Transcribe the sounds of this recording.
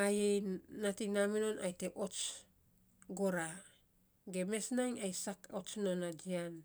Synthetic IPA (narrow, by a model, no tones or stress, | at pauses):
ajejnatinamino̞na̰jteʔo̞t͡ʃ | ɡoɾa | ɡe̞me̞snaŋajsakot͡ʃnonad͡ʒian